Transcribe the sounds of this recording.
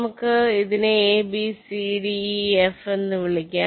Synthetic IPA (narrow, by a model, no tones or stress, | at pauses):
mɐkːɯɪðɐneːeːbisiɖiɛfɛnd̪ɯʋɪɭɪkʲːẽ